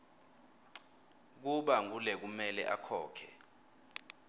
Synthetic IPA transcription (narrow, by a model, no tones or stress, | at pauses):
k̬uɓaŋulɛk̬umɛlɛ̰ʔakʰɔːkʰɛ̰